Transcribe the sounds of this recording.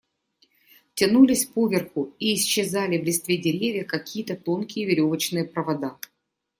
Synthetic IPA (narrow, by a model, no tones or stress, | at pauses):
tʲɪnulʲɪsʲfpovʲɪrxʊiːsɕːɪzalʲɪvlʲɪst̪vʲedʲɪɾʲevʲjəkɐkʲijət̪ət̪o̞nkʲɪjəvʲɪɾʲo̞vət͡ɕnɨjəpɾəvɐd̪a